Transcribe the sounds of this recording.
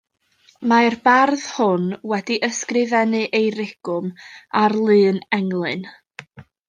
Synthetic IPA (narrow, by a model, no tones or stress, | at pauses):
marbarðhʊnwɛdiʔəskrɪvɛnɨʔejɾɪɡ̥ʊmarlˠɨːnɛŋlˠɨn